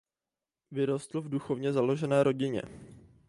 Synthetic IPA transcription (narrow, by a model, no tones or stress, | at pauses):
vɪɾo̞st̪l̩vduxo̞vɲɛzalo̞ʒɛnɛːɾo̞ɟɪɲɛ̰